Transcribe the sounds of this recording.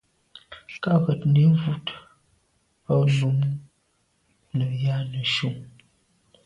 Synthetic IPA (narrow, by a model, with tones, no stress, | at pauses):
ka˦ɣə˨tne˨˦vu˦t | ɔ˦lu˨˦m˦ | nə˨ja˦nə˨ʃu˦˨ŋ